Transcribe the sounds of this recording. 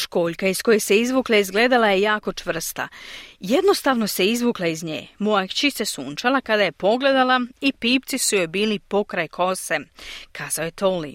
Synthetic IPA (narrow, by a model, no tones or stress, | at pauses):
ʃko̞ːʎʲkaisko̞jese̞izʋuːklˠaizɡle̞ːd̪alajejaːko̞t͡ʃʋr̩st̪a̰jed̪no̞st̪aʋno̞seizʋuːklaizɲḛːmoat͡ɕise̞suːnt͡ʃalakad̪aje̞po̞ɡle̞d̪alˠaipiːp̚t̪sisujojbiːlipo̞kɾajkʰo̞sekʰaːz̥aojet̪o̞li